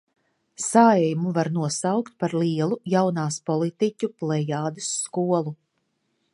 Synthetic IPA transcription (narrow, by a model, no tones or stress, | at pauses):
saɛjmuvaɾnuɔsawkt̪̚paɾliɛlˠujawnaːspɔlˠit̪icʲuplˠɛjaːd̪ɨsːkuɔlˠu